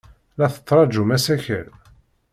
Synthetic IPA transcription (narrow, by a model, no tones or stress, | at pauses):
læθə̥t͡s̪ˤːɾˤɑd͡ʒumæsæçə̰l